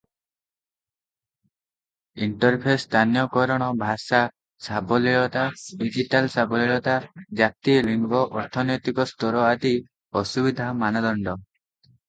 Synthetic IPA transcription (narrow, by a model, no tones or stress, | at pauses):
iɳʈɔɾpʰest̪ʰanjɔkɔɾɔɽ̃ɔbʱasa | sabɔliɭɔt̪aɖid͡ʒiʈalsabɔliɭɔt̪ad͡ʒat̪iliŋɡɔʔɔɾt̪ʰɔnɔjt̪ikɔst̪ɔɾɔad̪i | ɔsubid̪ʱamanɔd̪ɔɳɖɔ